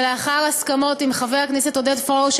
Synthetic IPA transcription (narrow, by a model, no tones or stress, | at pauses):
leaχaʁaskamo̞timχaveaknɛset̪odetfoʃ